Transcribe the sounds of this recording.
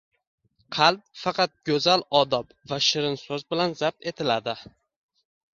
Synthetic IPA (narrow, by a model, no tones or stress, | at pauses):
qʰɑlˠp̚fɑqʰɑt̪̚ɡʲɵzalɒd̪ɒp | vaʃɪɾɪnsɵzbɪlanzap̚t̪e̞t̪ʰɪlad̪ɪ